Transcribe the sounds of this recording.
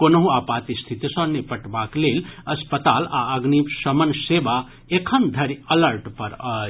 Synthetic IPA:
konəɦũapat̪ist̪ʰit̪isə̃nepəʈbaklelɐspət̪ala̰əɡnipsəmənseba | ekʰənd̪ʱəɾələɾʈpəɾə

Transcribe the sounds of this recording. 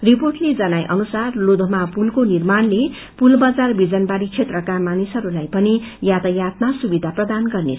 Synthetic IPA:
riporʈled͡zʌnajʔʌ̰nusarlod̪ʱomapulkonirmanle | pulbad͡zarbid͡zʌnbaɾit͡sʰet̪rʌkamanisʌɾulajpʌnijat̪ʌjat̪nasubid̪ʱaprʌd̪anɡʌrne

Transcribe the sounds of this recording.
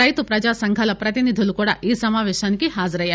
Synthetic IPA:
ajt̪upɾɐd͡ʒasɐŋkʰalɐpɾɐt̪inid̪ʱilukoɽa̰ʔisɐmaʋeʃankiɦazɾəja

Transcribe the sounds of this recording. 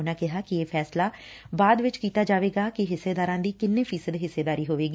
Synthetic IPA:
nãːkɪɦaːkɪeːpʰɛːslaː | baːd̪ʋɪt͡ʃkiːt̪aːd͡ʒaːʋeːɡaːkɪɦɪseːd̪aːɾãːd̪iːkɪnːeːpʰiːsəd̪ɦɪsːeːd̪aːɾiːɦoːʋeːɡi

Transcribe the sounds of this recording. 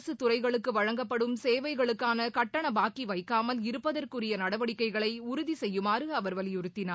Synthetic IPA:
sɯt̪ʊrɐɪɣɐɭɯkːɯʋɐɻɐŋɡɐpːɐɽɯmseːʋɐɪɣɐɭɯkːaːnɐkɐʈːɐɳɐbaːkiʋɐɪkːaːmɐlɪɾɯpːɐðɐrkɯrɪjɐnɐɽɐʋɐɽɪkːɐɪɣɐɭɐɪʊɾʊðisɛjːɯmaːɾɯɐʋɐɾʋɐlɪjʊɾɯt̪ːɪnaː

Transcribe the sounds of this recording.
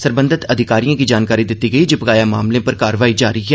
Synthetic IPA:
səɾbə̃nd̪ɪt̪ɐd̪ʱɪkaːɾijãːkid͡ʒaːnkaːɾid̪ɪt̪ːiɡɐid͡ʒɪpkaːjaːmaːmlẽpəɾkaːɾəʋaːid͡ʒaːɾiɦɛː

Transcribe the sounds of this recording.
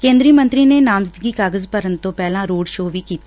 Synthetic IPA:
kẽːnd̪ɾiːmə̃nt̪ɾiːneːnaːmzɪd̪ɡiːkaːɡəzpəɾənt̪õːpɛːlãːɾoːɽʃoːʋiːkiːt̪aː

